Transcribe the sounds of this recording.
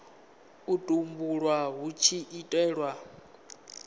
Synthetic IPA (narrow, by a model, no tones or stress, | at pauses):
utʼumbuɺwaɦut͡ʃʰiʔːtʼɛːɺwa